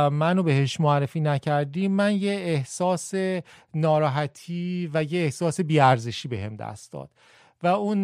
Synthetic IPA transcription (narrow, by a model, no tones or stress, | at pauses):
mænobe̞ɦeʃmoærːefiːnæcʰæɾd̪iːmːænjeehsɒːsenɒːɾɒːɦæt̪ʰiːvæjeːhsɒːse̞biːæɾzeʃiːbeɦemd̪æ̰st̪̚d̪ɒ̰ːd̪̥ | væun